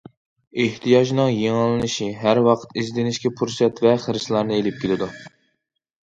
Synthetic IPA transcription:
eht̪ʰijɑʒnɨŋjeŋɨlˠːɨnɨʃiɦæɾwɑqʰə̥t̪izd̪ɪnɪʃkʲɛpʰuɾsɛt̪vɛχəɾslˠɑɾnɨelɪp̚kʲʰelɪd̪u

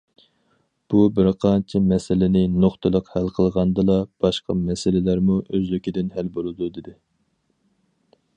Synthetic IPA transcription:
b̥ubɪɾqʰɑnt͡ʃʰɛmɛsɪlɪnɪnoχt̪ʰɨlˠəqhælqʰəlˠʁɑnd̪ɨlˠɑb̥ɑʃqɑmɛsɪlɪlæɾmuʔøzlykʲid̪ɪnhælbolˠɨd̪ud̪ɪd̪ɪ

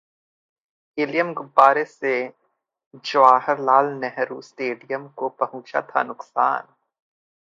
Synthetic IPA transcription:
ɪlijəmɡʊbaːɾese | d͡ʒɐʋaːɦəɾlaːlnɛɦɾusʈeːɖijəmkopɐɦʊ̃t͡ʃa̰t̪ʰa̰nʊqsa̰ːn

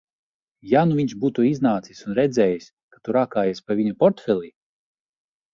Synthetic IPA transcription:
januviɲʲʃbuːt̪uiznaːt̪sisunɾɛd̪zʲɛːjisʲ | kḁt̪uɾakaːjaspaviɲɔpɔɾt̪fʲɛlʲˠi

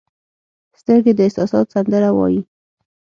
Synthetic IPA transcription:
st̪əɾɡed̪əɪhsɑsɑt̪sand̪əɾawɑ̰ji

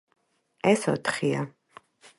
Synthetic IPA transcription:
ɛsɔ̰t̪ʰχia

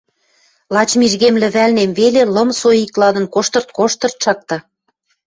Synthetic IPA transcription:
lɑt͡ɕmiʒɣemlɘ̆βælnemvelelɤ̆msojiklɑd̪ə̆nkoʃt̪ɤ̆rt̪̚koʃt̪ɤ̆rt̪̚ʃɑk̚t̪ɑ̆

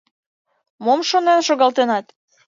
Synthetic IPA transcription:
momʃonenʃoɣɑlt̪enɑt̪

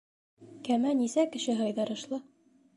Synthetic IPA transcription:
kæmænisækɘ̆ʃɘɦɑjðɑɾɤ̆ʃlˠɤ

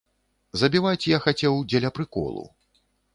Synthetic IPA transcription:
zɐbʲivajt͡sʲjaxat͡sʲɛwd͡zʲɛlʲɐpɾɨkɔ̰lˠṵ

